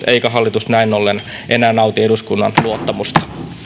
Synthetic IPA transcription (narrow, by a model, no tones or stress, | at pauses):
eikæɦɑlːit̪usnæinolːen | ʔenæːnɑut̪ieduskunːɑ̰nluot̪ːɑmust̪ɑ̥